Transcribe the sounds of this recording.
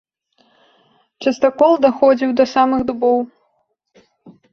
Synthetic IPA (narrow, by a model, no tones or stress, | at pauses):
t͡ʂɐst̪ɐkɔlˠd̪ɐxɔd͡zʲiwd̪ɐsamɨɣd̪ubɔw